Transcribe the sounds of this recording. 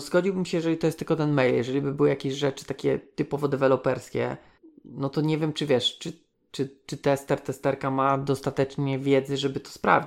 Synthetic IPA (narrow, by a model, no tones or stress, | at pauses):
zɡɔd͡ʑiwbɘmɕɛjɛʐɛlʲit̪ɔjɛst̪lkɔt̪ɛnmɛjljɛʐɛlʲibɘbɘwjakʲeɕʐɛt͡ʂɘ̥t̪akʲɛ̰t̪ɘpɔvɔd̪ɛvɛlɔpɛɾskʲɛ̰ | nɔt̪ɔɲɛvʲjɛmt͡ʂɘvʲjɛʂt͡ʂɘ | t͡ʂɘt͡ʂɘt̪ɛst̪ɛɾt̪ɛst̪ɛɾkamad̪ɔst̪at̪ɛt͡ʂɲɛvʲjɛd̪zɘʐɛbɘt̪ɔ̥spɾa̰vʲi